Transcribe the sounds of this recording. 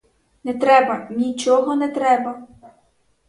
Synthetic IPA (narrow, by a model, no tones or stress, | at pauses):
nɛt̪ɾɛbɐnʲit͡ʃɔɦɔnɛt̪ɾɛbɐ